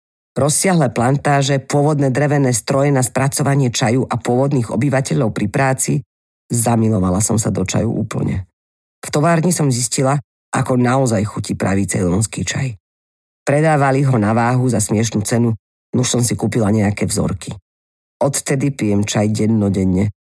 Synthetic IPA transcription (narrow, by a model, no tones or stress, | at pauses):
ɾɔsːɪaɦlɛːplant̪aːʒɛpʊɔʋɔd̪nɛːd̪ɾɛʋɛnɛːst̪ɾɔjɛnaspɾat͡sɔʋaɲɪɛt͡ʃajuʔapʊɔʋɔd̪niːɣɔbiʋacɛʎɔʊpɾipɾaːt͡si | zamilɔʋalasɔmsad̪ɔt͡ʃa̰jṵʔṵːpl̩ɲɛ̰ | ft̪ɔʋaːɾɲisɔmziscila | ʔakɔnaɔzajxucipɾa̰ʋiːt͡sɛ̰lɔnskit͡ʃa̰j | pɾɛd̪aːʋaliɦɔnaʋaːɦuzasmɪɛʃ̬nut͡sɛnu | nuʃsɔmsikuːpilaɲɛakɛːvzɔ̰ɾki | ɔt̪t̪ɛd̪ipijɛmt͡ʃajɟɛnːɔɟɛɲːɛ